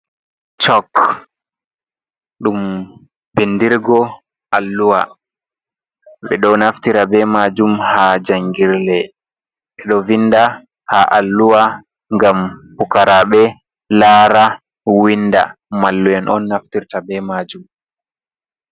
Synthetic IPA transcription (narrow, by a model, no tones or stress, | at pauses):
t͡ʃɔk | ɗum | bindiɾɡɔ | ʔalːuwa | ɓɛ̰ɗɔnaftiɾabɛmad͡ʒumhad͡ʒaŋɡiɾlɛ | ɓɛɗɔvinːda | haʔalːuwa | ŋɡambukaɾaɓɛ | laːɾa | winda̰ | malːuɛnʔɔ̰nːaftiɾtabɛmad͡ʒum